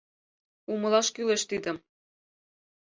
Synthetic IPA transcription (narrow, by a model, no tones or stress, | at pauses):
umɤ̆lɑʃkyleʃt̪id̪ə̆m